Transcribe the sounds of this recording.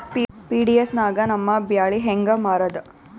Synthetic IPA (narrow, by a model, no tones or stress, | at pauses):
piːɖijesnaːɡɐnɐmːɐbjaːɭiɦeŋɡɐmaːɾɐd̪ɐ